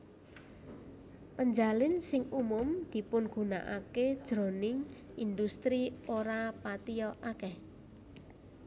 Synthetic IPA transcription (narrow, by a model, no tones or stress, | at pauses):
pəɲd͡ʒalɪnsɪŋumʊmd̪̥i̤pʊnɡ̥ṳna̰ʔaked̥ʒ̥ɾo̤nɪŋ | ind̪ust̪ɾioɾapat̪ijɔʔakɛh